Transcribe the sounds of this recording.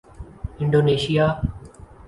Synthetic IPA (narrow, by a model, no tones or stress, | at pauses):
ɪ̃ɳɖoːneːʃijaː